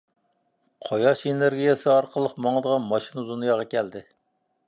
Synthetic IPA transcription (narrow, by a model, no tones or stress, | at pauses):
qʰojɑʃeneɾɡʲijɛsɨɑɾqʰəlˠəqmɑŋəd̪əʁɑnmɑʃinɨd̪unɨjɑːʁɑkʲʰɛld̪ɪ